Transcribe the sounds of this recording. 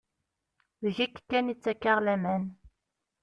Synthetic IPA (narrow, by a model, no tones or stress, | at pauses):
ðəʝikːkːænit͡sːækːaʁlæmæn